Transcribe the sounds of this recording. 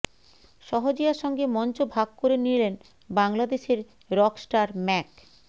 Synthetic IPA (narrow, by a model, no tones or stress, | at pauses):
ʃɔɦod͡ʑijaʃɔŋɡemɔnt͡ɕobʱaɡ̚koɾenilen | baŋlad̪eʃeɾ | ɾɔksʈaɾmɛk